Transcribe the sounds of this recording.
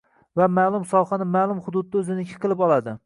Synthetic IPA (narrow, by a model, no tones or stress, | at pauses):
vamaːlˠʊmsɒwˠχɑnɪmaːlˠʊmχʊd̪ʊd̪̚d̪aɵzɪnɪkʲʰɪ̥qʰɨlˠɪpɒlˠad̪ɪ